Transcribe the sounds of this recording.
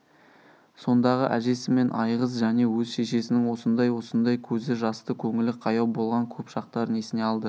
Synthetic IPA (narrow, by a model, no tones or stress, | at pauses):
so̞nd̪ɑʁə̰ʔæʒe̞sɪme̞nʔɑjʁəz̬ʒæne̞wɵzʃe̞ʃe̞sɪnɪŋwo̞sənd̪ɑjwo̞sənd̪ɑjkʲʰɵzɪʒɑst̪əkʲʰɵŋɪlɪqʰɑjɑwbo̞lˠʁɑŋkʲʰɵpʃɑq̚t̪ɑɾəne̞sɪne̞ɑlˠd̪ə